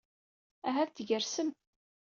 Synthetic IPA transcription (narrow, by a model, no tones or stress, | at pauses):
æɦæðt̪ʝəɾsəm